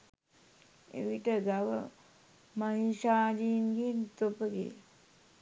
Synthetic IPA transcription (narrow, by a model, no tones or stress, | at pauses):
ḛʋiʈəɡaʋə̰ | maɦiʃaːd͡ʒiːnɡeːnt̪opəɡḛ